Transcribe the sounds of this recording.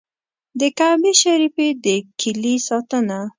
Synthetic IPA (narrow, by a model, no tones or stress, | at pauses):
d̪əkabeʃaɾifed̪əkʰɪlisɑt̪əna